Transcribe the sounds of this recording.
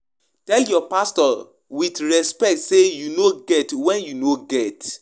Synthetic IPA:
tɛljɔpastɔ | widɹɛspɛk̚tsejunoɡɛtwɛ̃njunoɡɛt

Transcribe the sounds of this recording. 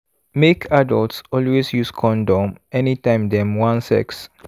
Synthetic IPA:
mekʰadəltsɔlwesjuskʰɔ̃ndɔ̃mɛnitãɪ̃mdɛ̃mwãnsɛ̰ks

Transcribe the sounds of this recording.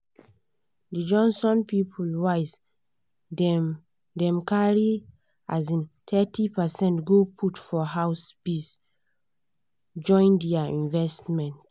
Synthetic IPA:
did͡ʒɔ̃nsɔ̃npipʰulwaɪs | ɛ | dɛ̃mkaɹi | azĩntʰɛtʰipɛsɛ̃ntɡopʰutfɔɦaʊspis | d͡ʒɔ̃ɪ̃ndɛaĩnvɛstmɛ̃nt

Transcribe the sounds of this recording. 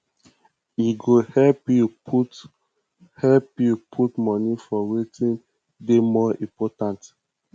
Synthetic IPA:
iɡohɛpjuput | hɛlpjupʰutmɔnifɔwetĩn | demɔĩpɔtãnt

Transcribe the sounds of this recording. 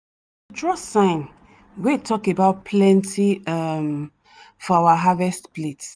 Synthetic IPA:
tɹɔsãɪ̃n | wetʰɔkebaʊt̚pʰlɛ̃ntʰiam | fɔawaɦavɛstplet

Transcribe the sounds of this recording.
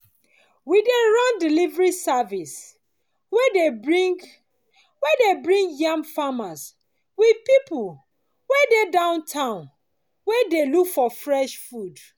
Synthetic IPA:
wideɹɔ̃ndilivɹisavis | wɛde | wɛdebɹĩŋɡjãmfamas | widpipu | wɛdedãʊ̃ntʰãʊ̃n | wɛdelukfɔfɹɛʃfud

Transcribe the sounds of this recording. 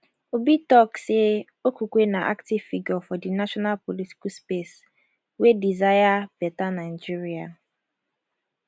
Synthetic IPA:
obitɔkse | okukʷenaʔa̰ktivfiɡɔfɔdinaʃɔnalpoliti̥kuspes | wedizajabɛtanaɪd͡ʒiɾia

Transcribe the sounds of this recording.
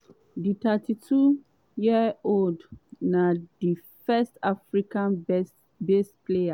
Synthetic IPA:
ditʰatitʰu | jiəoldnãdi | fɛstafɹikãn | bestplea

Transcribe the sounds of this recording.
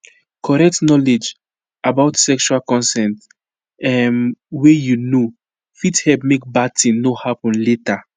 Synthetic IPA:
kʰɔɹɛk̚tnɔled͡ʒ | abaʊtsɛkʃualkɔ̃nsɛ̃nt | ɛmwejuno | fithɛp̚mek̚bad̚tĩŋnohapɔ̃nleta

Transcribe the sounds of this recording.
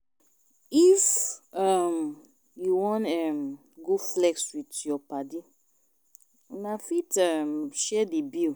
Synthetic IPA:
ifʌm | juwɔ̃nɛm | ɡuflɛkswitjɔpadi | unafitʌmʃɛdibil

